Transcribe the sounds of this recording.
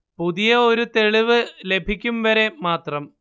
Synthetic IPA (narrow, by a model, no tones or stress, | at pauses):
puðijɐoɾut̪e̞ɭiʋɨle̞bʱikʲːumʋɐɾe̞maːt̪rɐm